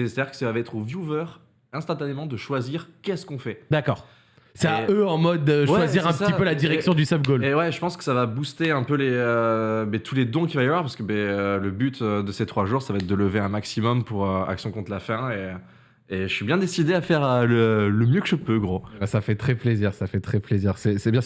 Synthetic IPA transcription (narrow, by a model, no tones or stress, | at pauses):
ese̥t̪ad̪iʁkə̥savavaɛt̪χovjuvœʁ | ɛ̃st̪ɑ̃t̪anemɑ̃d̪əʃwaziʁkʲɛskɔ̃fɛd̪akɔːʁ | sɛaøɑ̃mɔd̪əwʃɛwaziʁɛ̃pəipølad̪iʁɛksjɔ̃d̪ysapɡolewɛʒəpɑ̃skə̥savabust̪eɛ̃pøleøbɛt̪ʰuled̪ɔ̃k̬ʲivajavwaʁpaʁsə̥kəbɛøləbyt̪ød̪əset̪χwaʒuʁsavaɛt̪̚d̪ələveɛ̃maksimɔmpuʁøa̰ksjɔ̃kɔ̃t̪lafɛ̃e | eʒəsibjɛ̃d̪esid̪eafɛʁølələmjøkəʒəpøɡʁobɛsafɛt̪χɛpleziʁsafɛt̪χɛpleziʁsɛsɛbjɛ̃